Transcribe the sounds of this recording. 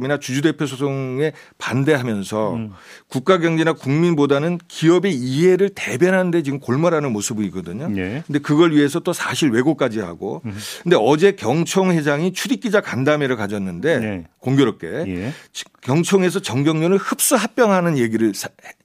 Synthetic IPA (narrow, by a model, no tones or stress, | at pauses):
minat͡ɕud͡ʑude̞pʰjos̬ʰos̬ʰoŋe̞pande̞ɦamjʌnsʰʌ | kuk̚k͈aɡjʌŋɲinakuŋminbodanɯnkiʌbeiɦe̞ɾɯɭte̞bjʌnɦande̞t͡ɕiɡɯmkoɭmaɾanɯnmosʰɯbɯik͈ʌdɯɲokʰɯnde̞kɯɡʌɭɥiɦe̞s̬ʰʌt͈osʰaɕʰiɭwe̞ɡok͈ad͡ʑiɦa̰ɡo̰kʰɯnde̞ʌd͡ʑe̞kjʌŋt͡ɕʰʌŋhe̞d͡ʑaŋit͡ɕʰudik͈id͡ʑakandame̞ɾɯɭkad͡ʑʌnːɯnde̞koŋɡjoɾʌp̚k͈e̞̰ | kjʌŋt͡ɕʰʌŋe̞s̬ʰʌt͡ɕʌŋɡjʌŋɲʌnɯɭhɯp̚s͈uɦap͈jʌŋɦanɯnje̞ɡiɾɯɭsʰ